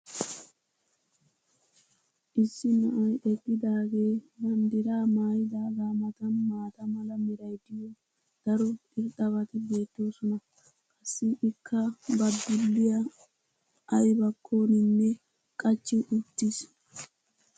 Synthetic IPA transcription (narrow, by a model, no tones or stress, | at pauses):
ʔɪsːɪnɐʔɐjʔɛɡːɪd̪aːɡe̞ːbɐnd̪ɪɾaːmaːjɪd̪aːɡaːmɐt̪ɐnmaːt̪ɐmɐlɐmɪɾɐjd̪ɪjɔ | d̪̥ɐɾɔɪɾt̪ʼːɐbɐt̪ɪbe̞ːt̪ːo̞ːsɔnɐ | kʼɐsːɪʔɪkʰːɐbɐd̪ːʊlːɪjɐ | ɐjbɐkʰːoːnɪnːɛ | kʼɐt͡ʃːɪʔʊt̪ːis